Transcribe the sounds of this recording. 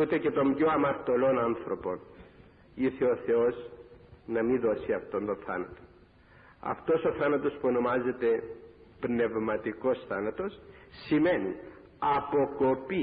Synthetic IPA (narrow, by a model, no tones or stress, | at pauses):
ut̪e̞ce̞t̪o̞mɟoɐmɐɾt̪o̞lo̞nɐnθɾo̞po̞n | iθeo̞θe̞o̞z | nɐmiðo̞siɐft̪o̞nt̪o̞nθɐnɐt̪o̥ | ɐ̰ft̪o̞so̞θɐnɐt̪o̞spuo̞no̞mɐze̞t̪e̞ | pne̞vmɐt̪iko̞sθɐnɐt̪o̞ssːime̞nḭ | ɐpo̞ko̞pi